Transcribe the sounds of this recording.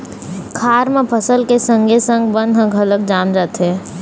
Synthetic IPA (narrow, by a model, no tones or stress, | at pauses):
kʰaːɾməpʰəsəlkesə̃ŋɡʱesə̃ŋɡbənd̪ʱɦə̃ɡʱələk̚d͡ʒaːmd͡ʒaːt̪ɦɛ